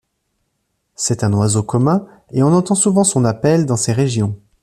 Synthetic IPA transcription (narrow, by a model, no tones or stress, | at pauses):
sɛt̪ɛ̃nwazokɔmɛ̃ | eɔ̃nɑ̃t̪ɑ̃suvɑ̃sɔ̃napɛld̪ɑ̃seʁeʒjɔ̃